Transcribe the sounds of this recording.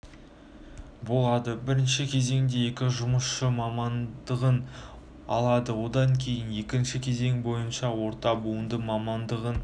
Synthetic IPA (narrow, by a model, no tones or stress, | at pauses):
bo̞lˠɑd̪əbɪɾɪnʃɪkʲʰe̞ze̞ŋd̪e̞jekʲɪʒʊməsʃəmɑmɑnd̪əʁən | ɑ̰lˠɑd̪əwo̞d̪ɑŋkʲʰe̞jɪnje̞kʲɪnʃɪkʲʰe̞ze̞ŋbo̞jənʃɑwo̞ɾt̪ɑbuənd̪əmɑmɑnd̪əʁən